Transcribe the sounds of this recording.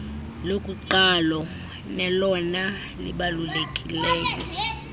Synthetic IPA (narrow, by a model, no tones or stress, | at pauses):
lokʼuǃalɔ | nɛlɔna | lḭɓalulekʼilɛːkʼɔ